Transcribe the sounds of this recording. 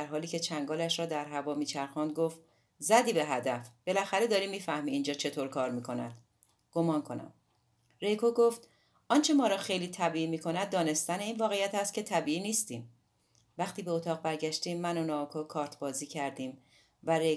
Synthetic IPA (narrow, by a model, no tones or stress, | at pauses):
æɾɦɒːliːcʰe̞t͡ʃʰæŋɡɒːlæʃɾɒːd̪æɾɦævɒːmiːt͡ʃʰæɾxɔnd̪̚ɡoft̪ | zæd̪iːbe̞ɦæd̪æfb̥e̞læxæɾe̞d̪ɒːɾiːmːiːfæhmiːnd͡ʒɒːt͡ʃʰe̞t̪ʰoɾkʰɒːɾmiːkʰo̞næ̰d̪̥ | ɡ̥o̞mɒːnkʰo̞næ̰m | re̞jkʰoɡoft̪ | ʔɒːnt͡ʃʰe̞mɒːɾɒːxejliːt̪ʰæbiːiːmiːkʰo̞næd̪̚ːɒːne̞st̪æne̞iːnvɒːɣejæt̪ʰæst̪̚cʰe̞t̪ʰæbiːiːniːst̪iːm | væxt̪iːbeot̪ʰɒːʁ̚bæɾɟæʃt̪iːmːænonɒːkʰokʰɒːɾt̪ʰbɒːziːcʰæɾd̪iːm | væɾe